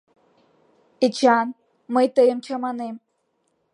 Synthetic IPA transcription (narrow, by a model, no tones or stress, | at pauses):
et͡ɕɑn | məjt̪əjəmt͡ɕʰɑmɑnem